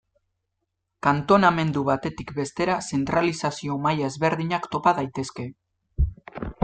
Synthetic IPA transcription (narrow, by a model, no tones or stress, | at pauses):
kant̪o̞name̞nd̪uβat̪e̞t̪ikbe̞st̪e̞ɾase̞nt̪ɾalisasio̞majaezβe̞ɾðiɲakt̪o̞paðajt̪e̞ske̞